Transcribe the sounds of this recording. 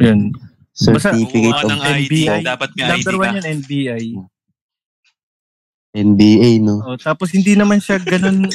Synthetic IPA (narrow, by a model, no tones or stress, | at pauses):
jon | sɛɾbɐsɐifɪkɐɐŋɛnbiːalɐb̪ɛɾwɐnjanɛnbiːʔaj | ʔɛnbiʔajnoʔot̪aːposhɪnd̪inɐmanʃaɡɡɐno̞n